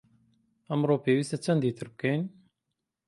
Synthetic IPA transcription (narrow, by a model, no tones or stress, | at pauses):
ɐmɾoːpeːwiːst̪at͡ʃʰɐnd̪iːt̪ɨɾb̚kejn